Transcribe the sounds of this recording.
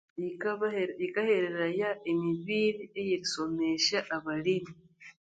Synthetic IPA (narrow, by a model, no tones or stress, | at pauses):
ikahe̞ɾe̞ɾajaemiβiːɾiejiɾiso̞me̞ʃaʔːβalimi